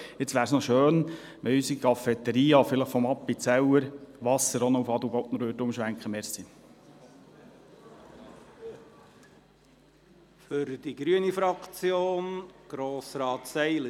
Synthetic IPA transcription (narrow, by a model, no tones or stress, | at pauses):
ɪt͡sʋæːɾsnɔʃøːn | mɛysikʰɑfɛt̪ːəɾiːɑfɪləχfɔmɑpːit͡sɛwəɾʋɑsəɾɔnɔufɑd̪ubɔtnəɾøːtʊmʃʋæŋkχəmɛɾsi | fʏɾd̥iɡɾyənifɾɑkt͡sjoːnɡ̥ɾoːsɾɑːt̪sɛɪlə